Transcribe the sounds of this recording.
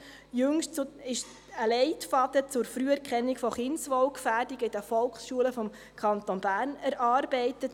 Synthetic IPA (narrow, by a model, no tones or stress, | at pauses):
jɵŋʃtt͡sɪʃ | əlɛɪtfɑdət͡sʊɾfɾyəɛɾkʰχɛnːikfɔχɪnsʋɔwkfæːrdiɡɪd̥əfɔlksʃuələfɔm | kʰɑntonb̥æːrnɛɾʔɑːrbɛɪtət